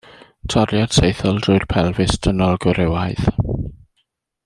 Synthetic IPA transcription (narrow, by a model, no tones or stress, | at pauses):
tʰɔɾjad̥sejθɔlˠdrʊɨrpʰɛlˠvɪsd̥ʰənɔlˠɡʊɾɛwajð